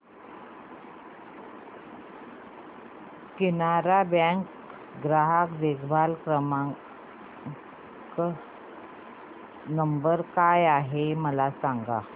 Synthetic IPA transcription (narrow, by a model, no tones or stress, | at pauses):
kinaɾabɛ̃ŋk | ɡɾaɦakd̪eɡbʱalkɾəma | k | nəmbəɾkajaɦeməlasaŋɡa̰